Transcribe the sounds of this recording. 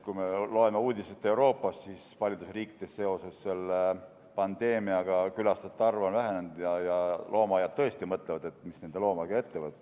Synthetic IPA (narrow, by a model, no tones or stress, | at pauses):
kujme̞lo̞e̞meuːd̪ʲiset̪ːˑe̞uɾo̞ːpːˑɑst̪sisvɑlʲid̪usriːkːi̥t̪esse̞o̞sesse̞lːe | pɑnd̪̥e̞ːmiɑɡ̥ɑkylɑst̪et̪ːˑɑrvonvæɦenend̪̥jɑjɑlʔo̞ːmɑːjɑd̪̚t̪ːɤ̞e̞st̪imɤt̪ˑlevɑd̪̥e̞t̪ːˑmisne̞nd̪e̞lo̞ːmɑɡ̥ɑe̞t̪ːevɤt̪ːˑ